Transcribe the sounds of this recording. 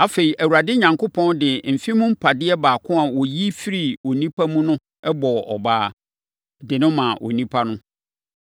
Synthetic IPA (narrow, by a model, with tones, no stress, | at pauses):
a˨fe˨i˨ʔæ˨wu˨a˨dɪ˦ɲã˨ŋkʰʊ˦pʰɔ̃˦ndɪ˨m̩˨fi˦mũ˦m̩˦pʰa˨dɪ˦ɛ˦baː˨kʰʊ̃˦a˨wɔ˨ji˦fi˦ɾi˨o˨nĩ˦pʰa˦mũ˦nʊ̃˦ | ɛ˦bɔ˨ʔɔ˨baː˦ | dɪ˨nʊ̃˦mã˨ʔo̰˨nĩ˦pʰa˦nʊ̃˦